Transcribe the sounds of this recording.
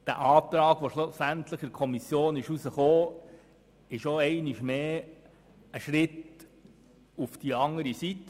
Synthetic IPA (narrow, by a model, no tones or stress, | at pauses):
d̥æ̰ʔɑːt̪ɾɑːɡ̥ʋoʃlʊsænt̪ləχɪkʰɔmisjoːnɪʃusəχoː | ɪʃoɛɪniʃmeː | əʃɾɪt̪ | ufd̥iɑŋəɾisit̪ː